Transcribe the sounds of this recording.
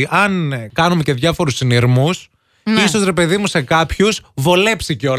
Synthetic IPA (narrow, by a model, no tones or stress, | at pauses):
iʔɐnkɐnume̞ce̞ðʝɐfo̞ɾusiniɾmus | iso̞zɾe̞pe̞ðimuse̞kɐpçusvo̞le̞psiceo̞